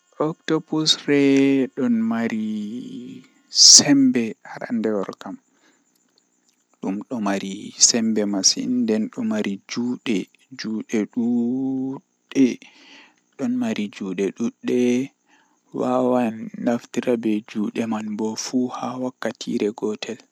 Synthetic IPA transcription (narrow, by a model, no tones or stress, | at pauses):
ʔɔktɔbusrɛɗɔnmaɾi | sɛmbɛhaɾa̰ndɛwɔɾkam | ɗumɗɔmaɾisɛmbɛmasḭndɛnɗɔmaɾid͡ʒuːɗɛ | d͡ʒuɗɛɗu | ɗɛ | ɗɔnmaɾid͡ʒuːɗɛɗuɗːɛ | wawanːaftiɾabɛd͡ʒuːɗɛmanbɔfuhawakːatʰḭɾɛɡɔtʰɛl